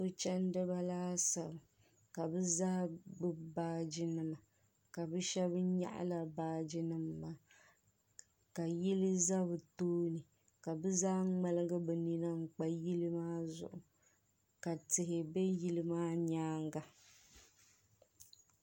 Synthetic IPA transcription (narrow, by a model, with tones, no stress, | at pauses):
o˦t͡ʃɛ˦n˦dɨ˦ba˦laː˦sa˨bɨ˨ | ka˨bɨ˦zaː˦bɨ˦baː˦d͡ʒi˦nɨ˦˨ma˨ | ka˨bɨ˦ʃɛ˦bɲa̰˦ʔa̰˦la˦baː˦d͡ʒi˦nɨ˦mː˦aː˦ | ka˨ji˦lɨ˦za˦bɨ˨toː˦nɨ˨ | ka˨bɨ˦zaː˦ŋ͡mɛ˦lɨ˦ɡa˦bɛ˨ni˦na˦ŋ͡m̩˨k͡pa˦ji˦lɨ˦maː˦zʊ̰˨ʔʊ˨ | ka˨tɪ˨ɦɪ˨be˦ji˦lɨ˦maː˦ɲaː˦ŋɡa˨